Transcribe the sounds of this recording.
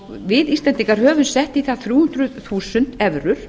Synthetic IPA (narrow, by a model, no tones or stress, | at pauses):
vɪðisɛnt̪iŋkaɾɦœːvʏnsɛht̪iθaðθɾjuːhʉnt̪ɾʏθuːsʏn̥t̪ɛvɾʏɾ̥